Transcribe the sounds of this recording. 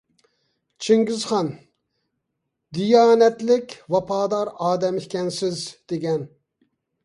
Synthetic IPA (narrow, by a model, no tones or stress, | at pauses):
t͡ʃʰiŋɡʲizχɑn | d̪ijɑːnɛt̪lɪkʲvɑpʰɑːd̪ɑɾɑːd̪ɛmɪhkʲɛnsɪzd̪̥eɡʲɛn